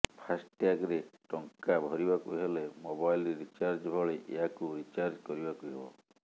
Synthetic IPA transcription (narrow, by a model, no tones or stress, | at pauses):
pʰasʈjakɾeʈɔŋkabʱɔɾibakuɦelemobajlɾeɾit͡ʃaɾd͡ʒbʱɔɭeʔḛɦakuɾit͡ʃaɾd͡ʒkɔɾibakuiɦebɔ̰